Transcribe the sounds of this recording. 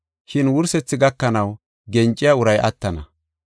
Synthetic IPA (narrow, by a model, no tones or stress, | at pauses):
ʃɪnwʊɾsɛt͡sːɪɡɐkːɐnɐw | ɡɛnt͡ʃʼːɪjaʊɾɐjʔɐ̰t̪ːɐnɐ